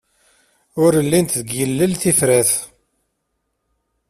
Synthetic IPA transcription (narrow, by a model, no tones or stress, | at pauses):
ʊɾəlːint̪ðəɡjəlːəlθifɾæθ